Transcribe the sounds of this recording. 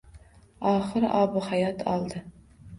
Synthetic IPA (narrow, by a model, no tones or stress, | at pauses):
ɑːχɨɾɑːbɨχajɑt̪ʰɑ̰lˠd̪ɨ